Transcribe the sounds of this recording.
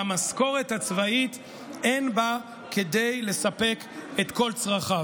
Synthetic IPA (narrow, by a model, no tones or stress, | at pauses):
amasko̞ʁe̞that͡svait | enba | ke̞d̪e̞jle̞sape̞ket̪ko̞lt͡sʁaχa